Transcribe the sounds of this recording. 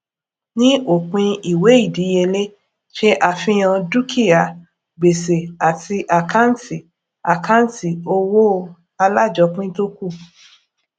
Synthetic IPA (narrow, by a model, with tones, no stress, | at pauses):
nĩ˦ʔo˦˨k͡pĩ˧i˨we˨˦i˦˨di˨˦je˧le˦ | ʃe˦ʔa˧fĩ˧j̃ã˧du˦kʰi˦˨a˨ | ɡ͡be˨se˨a˨tʰi˧ʔa˨kʰa˦n˦ti˨ | a˨kã˦n̩˦ti˨o˧wo˦ | a˧la˦˨d͡ʒɔ˧˦k͡pĩ˦to˦ku˦˨